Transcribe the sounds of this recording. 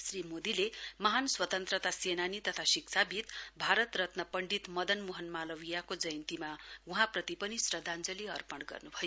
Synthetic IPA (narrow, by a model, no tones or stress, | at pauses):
srimod̪ilemʌɦanswʌt̪ʌnt̪rʌt̪asenanit̪ʌt̪ʰasikt͡sʰabʱit̪bʱaɾʌt̪rʌt̪nʌpʌɳɖit̪mʌd̪ʌnmuɦʌnmalʌwijakod͡zʌjʌnt̪imauɦãprʌt̪ipʌnisrʌd̪ʱand͡zʌliʌrpʌɽɡʌ̰rnubʱʌjo